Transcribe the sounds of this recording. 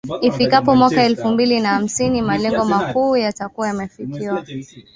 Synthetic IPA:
ifikapɔmwakaɛlfumbilinaham̩sinimalɛŋɡɔmakuːjatakuwajamɛfikiwa

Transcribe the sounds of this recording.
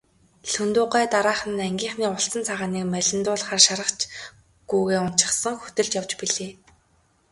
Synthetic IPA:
ɬɵnt̪ʊːɢæːt̪aɾaːχə̆nːæŋɡʲiːŋχniːʊɬt͡sə̆nt͡sʰaʁaːniːkmæɮʲɪ̆nt̪ʊːɮχaːrʃaɾə̆qt͡ɕ | ɡ̥ujɣeːʊn̥t͡ɕɪ̆χsə̆ŋxɵ̥t̪ɘ̆ɮt͡ɕjaw̥t͡ɕpiɮeː

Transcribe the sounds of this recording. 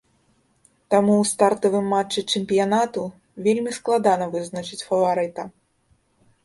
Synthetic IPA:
t̪amuːst̪art̪ɐvɨmːat͡ʂːɨt͡ʂɛmʲpʲijanat̪u | vʲelʲmʲisklˠad̪anɐvɨznɐt͡ʂɨt͡sʲfɐvaɾɨt̪ɐ

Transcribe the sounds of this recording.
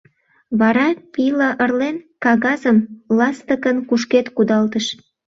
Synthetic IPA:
βɑɾɑpiləʔərlenkɑɣɑzəmlɑst̪əkənkuʃket̪kud̪ɑlt̪əʃ

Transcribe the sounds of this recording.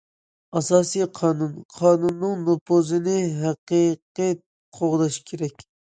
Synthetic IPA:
ɑsɑːsijqʰɑːnunqʰɑːnunːɨŋnopʰozɨnɪɦæqiqi | qʰoʁd̪ɑʃkʲʰeɾɛkʲ

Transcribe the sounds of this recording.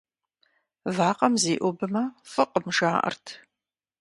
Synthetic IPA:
vaːqʼɐmziːʔʷɔbɨmɐfɨqʼəmʂaːʔɐ̰rtʰ

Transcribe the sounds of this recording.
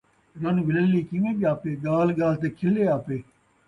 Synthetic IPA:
ɾɐnʋɪləlliːkĩʋẽːɓiaːpeːɡaːlɡaːlt̪eːkʰɪleːaːpeː

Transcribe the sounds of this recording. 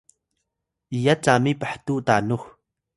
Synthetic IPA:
ʔijat͡samipaħt̪uʔt̪anux

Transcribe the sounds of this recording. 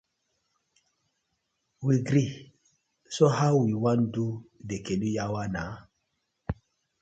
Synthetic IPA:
wiɡɾi | sohawwiwãndudekẽnujawana

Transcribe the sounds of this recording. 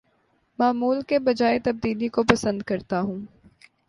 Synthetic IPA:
maːmuːlkebɐd͡ʒaːet̪ɐb̚d̪iːlikopɐsə̃nd̪kɐɾt̪aɦũː

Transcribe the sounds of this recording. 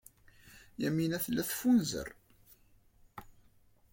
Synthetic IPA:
jæminæθəlːæθfunzə̰r

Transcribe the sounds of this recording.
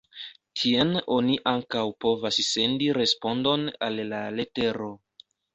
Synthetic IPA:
tʰieno̞niʔaŋkawpo̞vasse̞ndiɾe̞spo̞ndo̞na̰lːale̞te̞ɾo̞

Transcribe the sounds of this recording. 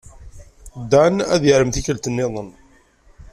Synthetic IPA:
d̪ænæðjəɾəmθiçəlt̪ənːɪðˤən

